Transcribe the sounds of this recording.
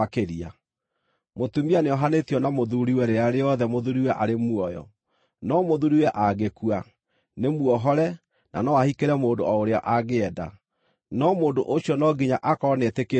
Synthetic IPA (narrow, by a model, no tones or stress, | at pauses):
akeɾia | motumianejɔɦanetiɔnamoðuɾiwɛɾeɾaɾeɔðɛmoðuɾiwɛʔaɾemuɔjɔ̰ | nɔmoðuɾiwɛʔaɣekua | nemuɔɦɔɾɛ | na̰nɔwahikeɾɛmoːndoɔoɾeɔ̰ʔaɣeɛda̰ | nɔmoːndo̰ʔoɕiɔnɔɡiɲaʔakɔneteke